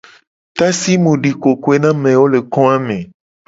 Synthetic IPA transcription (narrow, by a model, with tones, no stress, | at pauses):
t̪a˦si˦mũ˨ɖi˨ko˨ko˦e˦nã˦mẽ˨wo˦le˨kɔ̃˦a˦mẽ˨